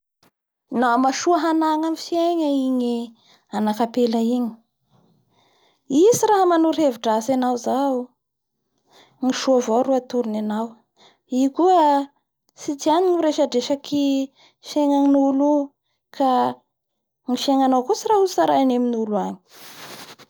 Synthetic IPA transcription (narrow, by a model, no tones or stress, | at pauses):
namaʃuəɦanaŋamifieɲəiɲi | anakapelaiɲi̥ | isiɾaɦəmanuɾeviʈ͡ʂasanawzau | ŋiʃuavawɾuat̪uɾinanaw | iku | sit̪ianiŋiɾeʃaɖ͡ʐeʃaki | ʃeŋaŋinulu | kʰa | ŋiʃeŋanawkusiraɦusaɾaneminuluaɲi̥